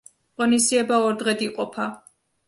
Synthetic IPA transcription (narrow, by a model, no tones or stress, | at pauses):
qʼɔnisiɛbaɔɾd̪ʁɛd̪iqʼɔpʰa